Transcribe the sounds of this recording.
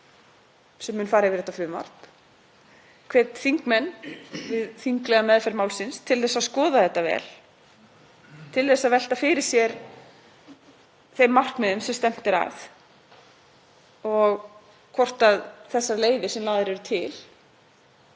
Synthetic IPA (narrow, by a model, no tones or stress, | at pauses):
sɛmːʏːnfaːɾavɪðɛt̪aflʏma̰r̥t̪m | kʰveːt̪θiŋkmɛnːvɪðθiŋklɛɣamɛðfɛɾmaːwlsɪnst̪ʰɪlθɛsːaðskɔːðaθɛht̪ːavɛ̰ːl | t̪ʰɪlθɛsːaðvɛl̥t̪afɪɾɪɾ̥sjɛɾ | θejmːar̥kmɛðʏmsɛmst̪ɛm̥t̪ɪɾa̰θ | ɔɣ | kʰɔr̥t̪aðθɛsːaleːjðɪsɛmlaːðɪɾɛɾʏt̪ʰɪl